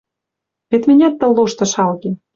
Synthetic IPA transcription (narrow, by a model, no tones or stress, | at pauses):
βet̪minʲæt̪ːə̆lːoʃt̪ɤ̆ʃɑlɣe